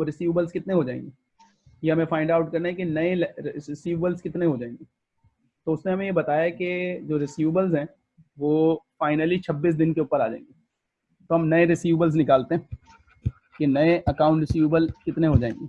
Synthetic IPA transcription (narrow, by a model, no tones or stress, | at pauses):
oɾɪsiːʋbəlzkɪt̪neɦod͡ʒaːḛ̃ŋɡeː | jeɦɐmẽfaːɪ̃ɳɖaːʊʈ̚kɐɾnaɦɛkenɐesiːʋbəlzkɪt̪neɦod͡ʒaːẽːŋɡeː | t̪oʊsneɦɐmẽjebɐt̪aːjaked͡ʒoːɾɪsiːʋbəlzɦɛ̃ː | ʋoːfaːɪnəlit͡ʃʰɐbːiːs̬d̪ɪnkeuːpəɾaːd͡ʒã̰ḛ̃ːŋɡe | t̪oːɦɐmnɐeɾɪsiːʋbəlz̬nɪkaːlt̪eɦɛ̃ | kenɐeʔɐkãːʊ̃ɳʈɾɪsiːʋbəlkɪt̪neɦod͡ʒaːḛ̃ːŋɡeː